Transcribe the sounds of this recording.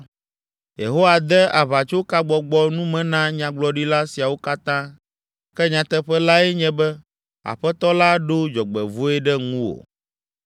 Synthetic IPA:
jḛ˨ɦo˦wa˨d̪ɛ˦a˨βa˨t͡ʃo˦ka˦ɡ͡bɔ˨ɡ͡bɔ˦nũ˦mɛ̃˨nã˦ɲã˨ɡ͡blɔ˦ɖi˦la˦si˨a˨wo˦ka˦t̪ã˦ | kɛ˦ɲã˨t̪ɛ˦ɸɛ˦la˦ɛ˦ɲɛ̃˦bɛ˦ | a̰˨ɸɛ˦t̪ɔ˦la˦ɖo˦d͡ʒɔ˨ɡ͡bɛ̰˨vo˦ɛ˦ɖɛ˦ŋũ˦wo̰˨

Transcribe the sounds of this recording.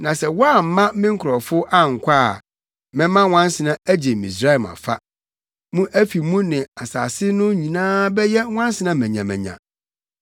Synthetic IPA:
nã˨sɛ˨wɔ˦a˦˨m̩˨˦mã˦mɪ̃˦ŋ̩˦kʰʊ˨ɾɔ˨fʊ˦ʔa˦ŋ̩˨kʷʰa˦˨ | mɪ̃˦mã˦wã˦n˦sɪ˨nã˦æ˦d͡ʑe˨mḭ̃˨sɾa˦˨ma̰˨fa˦ | mũ˦ʔæ˦fi˨mũ˦nɪ̃˨a˨saː˨sɪ˦nʊ̃˦ɲĩ˨nãː˦bɛ˦jɛ˦wʷã˦n˦sɪ˦nã˦mæ̃˨ɲã˨mæ̰̃˨ɲã̰˨

